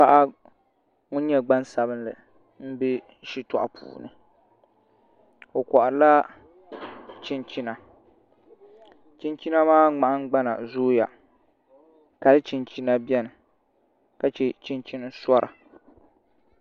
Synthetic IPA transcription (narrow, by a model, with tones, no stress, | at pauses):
pa˦ʔa˦ | ŋʊ˦n˦ɲɛ˦ɡ͡ba˦nsa˨bɨ˦nlɨ̰˨ | m̩˦bɪ˦ | ʃi˦tɔ̰˦˨ʔa˨pʰṵː˨nɨ̰˨ | o˨kɔ˨ʔa˨la˦ | t͡ʃi˦nt͡ʃi˦na˨ | t͡ʃi˦nt͡ʃi˦na˦maː˦ŋ͡ma˨ʔa˦ŋ˦ɡ͡ba˦na̰˨zoː˦ja̰˨ | ka˨lɨ˦t͡ʃi˨nt͡ʃi˦na˦bi˦ɛ˦nɨ˨ | ka˨t͡ʃɛ˦t͡ʃi˦nt͡ʃi˦n˦sɔ˦ɾʔa̰˨